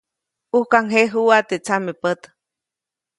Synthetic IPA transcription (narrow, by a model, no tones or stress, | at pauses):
uhkaŋɦeɦuat̪et͡samepət̪